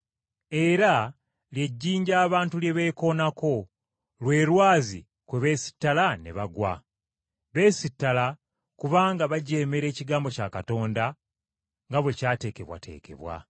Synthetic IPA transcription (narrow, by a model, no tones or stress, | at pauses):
e̞ɾa | lje̞ɟːiːɲɟaːβaːntulje̞βe̞ːko̞nako̞ | lwe̞ːɾwaːzḭ | kweβe̞ːsi̥tːalane̞̰βaɡwa̰ | βe̞ːsitːala | kuβaːŋɡaβaɟe̞ːme̞ɾe̞ːciɡaːmbocaːkato̞ːnda | ŋɡaβwe̞caːte̞ːke̞̰βwa̰tʰe̞̰ːke̞̰βwa̰